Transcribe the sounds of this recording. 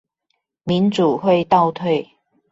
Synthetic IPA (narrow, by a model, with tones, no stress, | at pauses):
mi˨˥nt͡suː˨˩hwe˥˧jt̪ɐ˥˧wt̪ʰe˥˧j